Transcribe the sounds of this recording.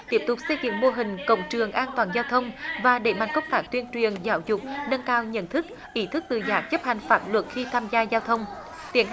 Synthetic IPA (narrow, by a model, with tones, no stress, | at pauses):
t̪i˦˥əp̚t̪ʊ˨˩k͡p̚se˧zḭ˧˨ŋmo˧əɦï˨˩ŋ̟kə̰˧˨wŋ͡mt͡ɕɨ˨˩əŋʔaː˧nt̪waː˨˩nzaː˧wt̪ʰə˧wŋ͡mvaː˨˩ɗe˧˩ma˨˩n̚kə˦˥wŋ͡m̚t̪aː˧˥k̚t̪wənt͡ɕwi˨˩ənzaː˨˦wzʊ˨˩k͡p̚nə˧ŋkaː˧wɲə̰˧˥nt̪ʰɨ˦˥k̚ | ʔi˧˦t̪ʰɨ˦˥k̚t̪ɨ˨˩zaː˨˩p̚zə˦˥p̚ha˨˩jŋ̟faː˦˥p̚lwə˨˩t̚xi˧t̪ʰaː˧mzaː˧zaː˧wt̪ʰə˧wŋ͡m | t̪i˧˦ə